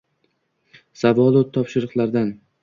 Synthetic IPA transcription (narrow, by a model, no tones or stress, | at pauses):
savɒlˠot̪ʰːɒpʃɪɾɨqlˠaɾd̪an